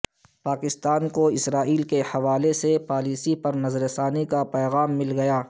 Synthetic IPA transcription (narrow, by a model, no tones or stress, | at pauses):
paːkɪst̪aːnkoɪsɾaːiːlkehɐʋaːlesepaːliːsipɐɾnɐzɾesaːnikapɛːɣaːmːɪlɡɐjaː